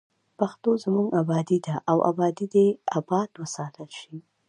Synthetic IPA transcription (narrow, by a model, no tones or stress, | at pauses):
paxt̪ozmuŋɡabɑd̪id̪aʔawʔa̰bɑd̪id̪eabɑd̪wəsɑt̪əlʃi